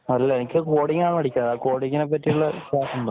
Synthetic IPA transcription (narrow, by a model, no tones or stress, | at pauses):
ɐlːɐenikʲːɨkoːɽiŋːaːɳɨʋɐɽikʲːaːðaːkoːɽiŋːɐnep̬ːɐtːijuɭːɐɕaːsumɖ̪